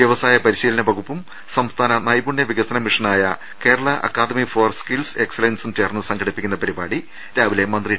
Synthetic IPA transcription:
ʋjɐʋɐsaːjɐpɐɾiɕiːlɐnɐbɐɣupːum | sɐmst̪ʰaːnɐnɐjbuɳjɐʋiɡɐsɐnɐmiʂɐnaːjɐ | ke̞ːɾɐɭɐʔɐ̰kːaːd̪ɐmifoːrskilse̞kselensumt͡ɕe̞ːrnːɨsɐŋɡʰʱɐɽipːikʲːunːɐpɐɾibaːɽi | ɾaːʋile̞mɐnd̪ri

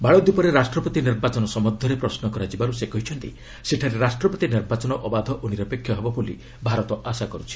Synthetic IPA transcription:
baɭɔd̪upɔɾeɾasʈɾɔpɔt̪iniɾbat͡ʃɔnɔsɔmɔd̪ʱːɔɾepɾɔsnɔkɔɾad͡ʒibaɾusekɔɦit͡ʃʰɔnʈ̪ḭ | seʈʰaɾeɾasʈɾɔpɔt̪iniɾbat͡ʃɔnɔʔɔbad̪ʱɔʔoniɾɔpekʰːjɔɦebɔbolḭ | bʱaɾɔt̪ɔʔasakɔɾut͡ʃʰi̥

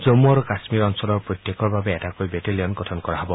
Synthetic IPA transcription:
d͡ʒomːuaɾukasmiɾɔnsɔlɔɹpɹɔjt̪jekɔɹbabeːtakojbeteliɔnɡɔtʰɔnkɔɾaɦɔbɔ

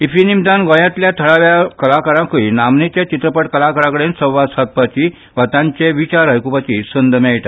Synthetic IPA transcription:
ifinimd̪ãnɡɔ̃jãt̪ljat̪ʰəɭaʋjakəlakəɾãkəinamnet͡ɕat͡ɕit̪ɾəpəʈkəlakəɾãkəɽensəʋasat̪̚pat͡ɕi | ʋat̪ãɲt͡ɕeʋit͡ɕaɾəjkupat͡ɕisənd̪mɛiʈ̪a

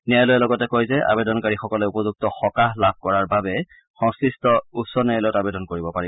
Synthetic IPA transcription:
niajlojɛlɔɡɔtɛkojzɛa̰bedɔnkaɹixɔkɔlɛupɔzuk̚tɔxɔkaɦlab̚ʱkɔɹaɹbabɛ | xɔ̃ŋsɹistɔusɔnɛajlɔjɔtabedɔnkoɹibɔpai

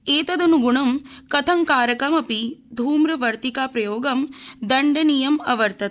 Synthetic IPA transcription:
eːt̪ɐd̪ɐnuɡuɳɐmkɐt̪ʰɐŋkaːɾɐkɐmɐpid̪ʱuːmɾɐʋɐɾt̪ikaːpɾɐjoːɡɐmd̪ɐɳɖɐnijɐmɐʋɐɾt̪ɐt̪

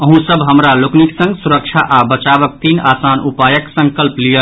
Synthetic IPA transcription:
əɦũsəbɦəmɾalʊkniksə̃ŋɡsuɾəkʃʰaʔabət͡ʃaːʋək̚t̪iːnaːsaːnupaːjəksə̃ŋkəlplijə

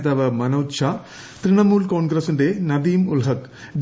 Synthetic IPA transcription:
t̪ɐʋɐmɐnɐwtɕʰa | t̪ɾiɳɐmuːlkoːɳɡɾɐsindenɐd̪iːmulɦɐk | ɖ

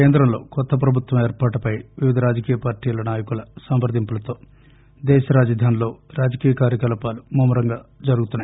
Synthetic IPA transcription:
keːnd̪ɾɐmlo̞̰ːkɔt̪ːɐp̬ɾɐbʱut̪wʋɐmeːɾpaːʈupɐjʋiʋid̪ʱɐɾaːd͡ʒɐkiːjɐpaːɾʈiːlɐnaːjɐkulɐsɐmbɐɾd̪ʱimpulɐt̪o̞ː | d̪ɛːʃɐɾaːd͡ʒɐd̪ʱaːnilo̞ːɾaːd͡ʒɐkiːjɐkaːɾjɐkɐlɐpaːlumuːmɐɾɐŋɡaːd͡ʒɐɾuɡut̪unːaj

